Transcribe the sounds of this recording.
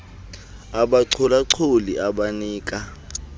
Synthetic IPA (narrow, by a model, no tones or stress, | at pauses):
aɓaǀʰɔlaǀʰoliaɓaniːkʼa